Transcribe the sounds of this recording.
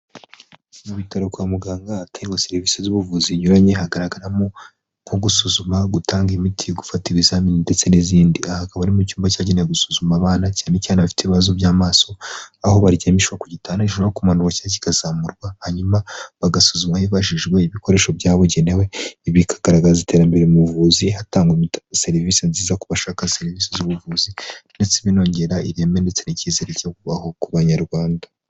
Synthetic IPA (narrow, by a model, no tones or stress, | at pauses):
muβitaɾokwamuɡaːŋɡatʰaiŋoseɾivisezuβuvuziɲuɾaɲe̞haɡaɾaɡaɾamo | kʰoɡusuzumaɡutʰaːŋɡimitʰiɡufatiβizaːmininde̞t͡se̞niziːndiahakaβaɾimocuːmbacaːɟeneeɡusuzumaːβaːnacaːnecaːneβafi̥teβiβazoβjaːmaːso̞aho̞βaɾjamiʃwakuɟitʰaːnaiʃoaokumanuɾwocaci̥kaz̥aːmuɾɡwahaɲumaβaɡasuzumahiβaʒiʒɡwe̞iβiko̞ɾe̞ːʃo̞bjaːβoɟenewe̞iβikʰḁɡ̥aɾaɡazite̞ːɾambe̞ɾeumuvuːzihataːŋɡwimitse̞ɾviːsenziːzakuβaʃakase̞ɾiviːsezuβuvuːzinde̞t͡siβino̞ːɲɟe̞ɾaiɾeːme̞nde̞t͡se̞nicizeɾecaokuβaho̞kuβaɲaɾɡwaːnda